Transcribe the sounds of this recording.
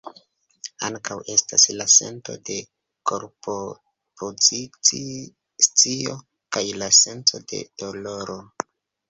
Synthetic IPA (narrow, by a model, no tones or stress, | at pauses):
aŋkawe̞staslase̞̰nto̞̰de̞ | koɾpo | pʰozit͡s | t͡sio̞ | kajlase̞nt͡so̞de̞̰d̥oloɾo